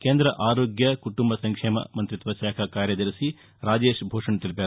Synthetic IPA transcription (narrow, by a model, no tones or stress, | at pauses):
keːnd̪ɾɐʔaːɾoːɡjɐkuʈumbɐsɐŋkʂeːmɐ̰mɐnt̪ɾit̪ʋɐʃaːkʰɐkaːɾjɐd̪ɐɾisi | ɾaːd͡ʒeːʂbʱoːʂɐɳt̪ilpe